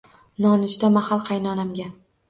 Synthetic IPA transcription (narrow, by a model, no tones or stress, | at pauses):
nɒnʊt͡ʃt̪amahalˠqʰɑjnɒnamɡʲa